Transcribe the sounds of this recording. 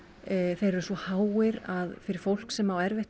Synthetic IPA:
θejɾʏɾsvɔhaːwɪɾaðfɪɾɪɾ̥fowl̥ksɛmawɛɾveht̪

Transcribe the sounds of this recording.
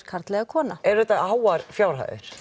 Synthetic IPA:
kʰaɾ̥t̪lɛɣakʰɔːnaɛɾ̥ðɛt̪ːaaːwaɾfjaːwɾ̥ɦa̰jðɪ̰ɾ̥

